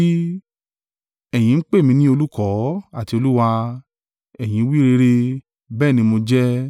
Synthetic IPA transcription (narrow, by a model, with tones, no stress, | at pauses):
i˦ | ɛ˦˨j̃ĩ˨˦k͡pe˦˨mĩ˧nĩ˦o˧lu˦kɔ˨˦a˦˨ti˧o˧lu˦wa˧ | ɛ˨j̃ĩ˨˦wi˦ɾe˧ɾe˧ | bɛː˦˨nĩ˧mo˧d͡ʒɛ˦